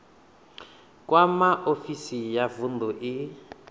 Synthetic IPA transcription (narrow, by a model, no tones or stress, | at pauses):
kwamaʔofisijavund̪ɔʔɪ